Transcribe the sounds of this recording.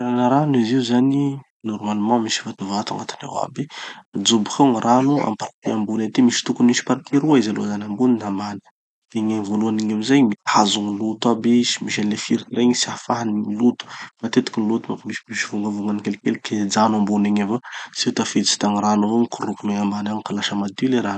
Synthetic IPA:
ɾanəɾaniziuzani | nɔɾmalimɑ̃misi̥vat̪uvat̪a̰ŋat̪i̥na̰wa̰bed͡ʒubu̥kaŋranua̰mpaɾk̪iambunat̪imisi̥t̪ukuniʃi̥paɾikʰiɾuaizalo̰zanʲambuninamanə̥ | d̪̥eɲeŋivoluaniɲamizajmiazuŋinlut̪abisi̥miʃelefiɾireŋisiafaɦanimilut̪u̥mat̪et̪i̥kinlut̪umapimisi̥miʃivuŋɡavuŋɡanikelkelkʰed͡zanambuneɲevaset̪afet͡si̥t̪aŋiɾanuvoŋikurukumeŋamanaŋkalaʃamad̪ileɾan

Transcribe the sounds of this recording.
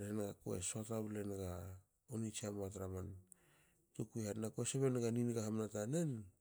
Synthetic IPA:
ɾehenɡako̰ḛsoatable̞nɡa | onit͡ʃiamoatɾaman | tukuehanakoeseβe̞nɡaninɡahamnatane̞n

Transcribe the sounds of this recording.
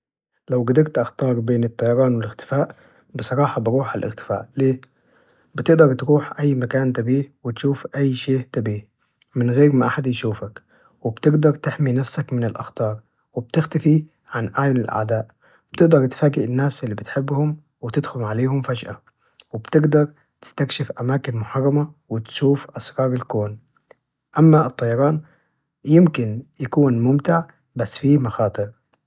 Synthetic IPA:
lawɡad̪ɑɾt̪ʔɑxt̪ɑːɾˤbeːnɪt̪ˤːɑjɑɾˤɑːnwɪlɪxt̪ɪ̥faːʔ | bɪsˤɑɾˤɑːħɑbɾuːħalʔɪ̰ɣt̪ɪ̥fa̰ːʔleː | bɪt̪ɪʔd̪ɑɾˤt̪ɾuːħʔajːmakaːnt̪abiːhwɪt̪ʃuːfʔajːʃeːʔt̪abiːh | mɪnɣeːɾmaʔaħad̪jʃuːfak | wɪbt̪ɪɡd̪ɑɾˤt̪ɪħminafsakmɪnɪlʔɑ̰xt̪ɑːɾˤ | wɪb̚t̪ɪxt̪afi | ʕanʔaʕjʊlɪlʔa̰ʕd̪aːʔ | ɪb̥̚t̪ɪɡd̪ɑɾˤt̪faːɡɪʔɪnːaːsʔɪlːibɪt̪ħɪbːhʊm | wɪt̪ɪd̪xʊlʕaleːhʊmfad͡ʒʔa | wɪbt̪ɪɡd̪ɑɾˤ | t̪ɪ̥st̪akʃɪfʔamaːkɪnmʊħɑrˤːɑmawɪt̪ʃuːfʔɑsɾɑːɾˤɪlkoːn | ʔamːaɨt̪ˤːɑjɑɾˤɑːn | jɪmkɪnjakuːnmʊmt̪ɪʕ | basːfimɑxɑːt̪ˤɨɾ

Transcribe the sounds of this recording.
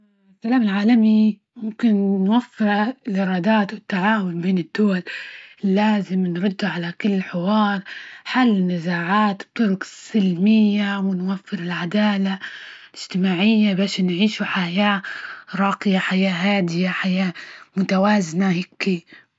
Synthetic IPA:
sːalaːmɪlʕaːlami | mʊmkɪnːwafːɪɾlʔɪɾˤɑːd̪aːt̪wɪt̪ːaʕaːwʊnbeːnɪd̪̥ːʊwallːaːzɪmnɾʊd̪ːuʕalakʊlːħɪwɑːɾˤħalːɪnːazaːʕaːt̪b̚t̪ʊɾʊksɪlmɪjːawɪnwafːɪɾɪlʕad̪aːla | ɪd͡ʒ̥t̪ɪmaːʕɪjːabaːʃnʕiːʃuħajaːɾˤɑːqɪjaħajaːɦaːd̪ɪjaħajaːmʊt̪awaːznahɪkːi

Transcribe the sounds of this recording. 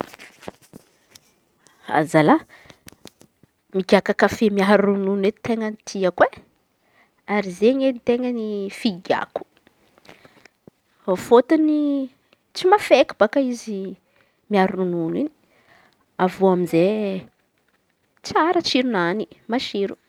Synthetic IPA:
a̰zala | miɡʲakakafemiaɾununet̪t̪eŋənt̪ʰiakwe | aɾizeɲenit̪eŋənifiɡa̰ku̥ | ofot̪uni | t͡simafekub̥akaizi | miaɾununini̥ | avuamize | t͡saɾət͡ʃiɾunanimaʃiɾu

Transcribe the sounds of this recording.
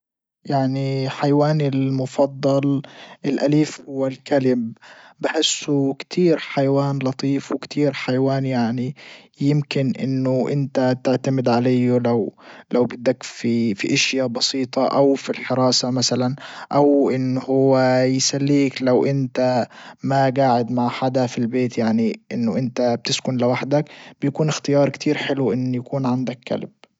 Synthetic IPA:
jaʕniħajawaːnɪlmʊfɑd̪ˤːɑlʔɪlʔaliːfhʊwːalkalɪb̚bɪħɪsːukt̪ʰiːɾħajawaːnlɑt̪ˤiːfwɪkt̪ʰiːɾħajawaːnjaʕni | jɪmkɪnʔɪ̰nːʊʔɪ̰nt̪at̪ɪʕt̪amɪd̪ʕalajːʊlawlawbɪd̪ːakfifiʔaʃjabɑsiːt̪ˤɑʔawfilħɪɾˤɑːsamasalanʔawʔɪnːhʊwːajsalːiːklawʔɪnt̪amaɡaːʕɪd̪maʕħad̪afilbeːt̪jaʕniʔɪnːʊʔɪnt̪ab̚t̪ɪskʊnlɪwaħd̪akb̥ɪjakuːnɪxt̪ɪjɑːɾˤkt̪ʰiːɾħɪluʔɪnːjakuːnʕand̪akːa̰lb̥̚

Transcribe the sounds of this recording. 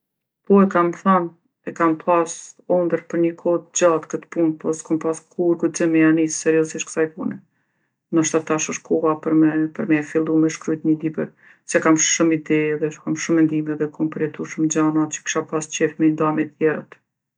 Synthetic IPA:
pɔɛkamθan | ɛkampʰasɔnd̪əɾpəɾɲəkʰɔt̪d͡ʑat̪kət̪punpɔskampaskʰuɾɡut̪̚d͡ʑəmɛanissɛɾjɔziʃt̪kə̥sajpunɛ | nəʃt̪at̪aʃɔʃkʰɔapəɾmɛpəɾmɛfilˠumɛʃkɾujt̪ɲəlibɛɾ | sɛkamʃʃumid̪ɛɛðɛʃkamʃɔmɛnd̪imɛðɛkʰɔmpɾɛt̪uʃəmd͡ʑanat͡ɕə̥ki̥ʃapast͡ɕɛfmɛnd̪amɛt̪jɛɾət̪

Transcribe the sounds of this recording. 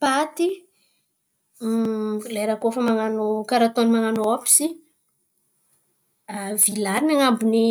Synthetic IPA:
pat̪i | lajɾakofəmaŋanokaɾat̪onimaŋanoapi̥si | avilaɾinaŋambuni

